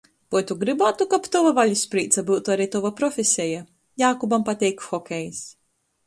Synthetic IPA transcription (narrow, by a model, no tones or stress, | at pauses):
pɔjt̪uɡɾibaːt̪ukapt̪ɔvavalʲuspɾiːt̪sabɨwt̪uaɾit̪ɔvapɾɔfʲesʲɛja | jaːkɔbampat̪ʲɛjkxɔkʲɛjs